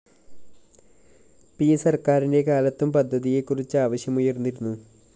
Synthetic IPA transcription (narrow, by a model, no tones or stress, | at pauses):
piːsɐrkaːɾinde̞kaːlɐt̪ːumpɐd̪ʱːɐðije̞kːurit͡ɕːɨaːʋɐɕjɐmujɐrnːiɾunːu